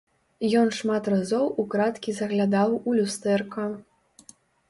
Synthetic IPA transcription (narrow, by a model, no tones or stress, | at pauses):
jɔnʂmat̪razɔwukɾat̪kʲizɐɣlʲad̪awulʲust̪ɛrkɐ